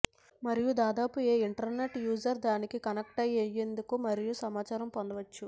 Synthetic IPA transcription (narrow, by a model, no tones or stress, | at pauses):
mɐɾijud̪aːd̪aːpueːiɳʈɐɾne̞ʈjuːd͡ʒɐɾd̪aːnikikɐnɐk̚ʈɐjːejːe̞nd̪ukumɐɾijusɐmaːt͡ʃaːɾɐmpond̪ɐʋɐt͡ʃːu